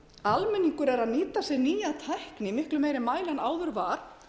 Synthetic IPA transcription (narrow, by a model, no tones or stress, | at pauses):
almɛnːiŋkʏɾɛɾaðniːt̪asɛniːjaðt̪ʰajhknɪmɪhklʏmeːjɾɪmaːjlanaːwðʏɾvaːɾ̥